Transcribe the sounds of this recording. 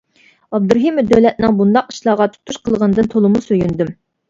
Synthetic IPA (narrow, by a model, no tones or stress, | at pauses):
ɑb̚d̪uɾɦimɪd̪øwlɛt̪̚nɪŋbund̪ɑqiʃlˠɑːʁɑt̪ʰu̥t̪ʰuʃqʰəlˠʁənɨd̪ɨnt̪ʰolˠɨmusøjynd̪ym